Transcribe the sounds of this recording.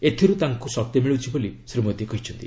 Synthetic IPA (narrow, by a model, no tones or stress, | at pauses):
et̪ʰiɾut̪aŋkusɔk̚t̪emiɭut͡ʃʰibolisɾimod̪jekɔɦit͡ʃʰɔnt̪i